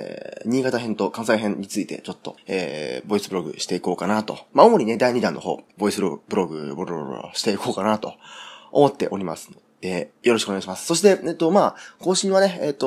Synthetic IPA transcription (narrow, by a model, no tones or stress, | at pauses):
ɲ̟iːɡat̪aɦẽ̞nt̪o̞kãɰ̃saiɦẽ̞ɲɲːit͡sɨit̪e̞̰t͡ɕo̞t̪ːo̞̰ḛːbo̞isɨbɯ̟ɾo̞ɡɯ̟̰ɕi̥t̪e̞iko̞ːkanat̪o̞̰maomo̞ɲ̟ine̞d̪aiɲ̟id̪ãnːʔo̞ɦo̞̰ːbo̞isɨɾobɯ̟ɾo̞ɡɯ̟bɾɾ̰ɕi̥t̪e̞iko̞ːkanat̪o̞̰omo̞t̪ːe̞ʔo̞ɾʲima̰sɨ̥nod̪̥e̞jo̞ɾoɕikɯoneɡaiɕimasɨ̥so̞ɕ̬i̥t̪e̞et̪o̞maːko̞ːɕĩɰ̃β̞aneeːt̪ːo